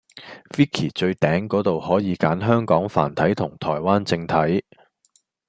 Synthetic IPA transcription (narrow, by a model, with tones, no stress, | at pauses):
fiː˥kʰiː˨˩t͡ʃɵ˧ɥt̪ɛː˨˥ŋkɔː˨˥t̪o˨whɔː˨˥jiː˨˧kaː˨˥nɦœː˥ŋkɔː˨˥ŋfa̰ː˨˩nt̪ʰɐ˨˥jt̪ʰʊ˨˩ŋt̪ʰɔː˨˩jwaː˥nt͡sɪ˧ŋt̪ʰɐ˨˥j